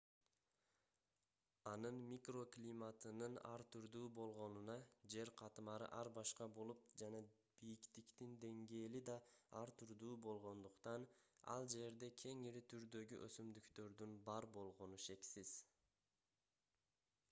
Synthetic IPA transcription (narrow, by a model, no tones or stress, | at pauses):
ɑnɯnmʲikro̞klʲimat̪ɯnɯnɑ̰ɾt̪ʰyɾd̪uːbo̞lˠʁo̞nunɑd͡ʒe̞ɾqʰɑt̪ɯmɑɾɯ̰ʔɑɾbɑʃqɑbo̞lˠup̚d͡ʒɑnɑ | b̥ijikt̪ikt̪ind̪e̞ŋɡe̞ːlid̪ɑɑɾt̪ʰyɾd̪uːbo̞lˠʁo̞nd̪uqt̪ɑnɑ̰lˠd͡ʒe̞ɾd̪e̞kʲʰe̞ŋiɾit̪ʰyɾd̪ø̞ɡyʔøsymd̪ykt̪ø̞ɾd̪ynbɑɾbo̞lˠʁo̞nuʃe̞ksiz̥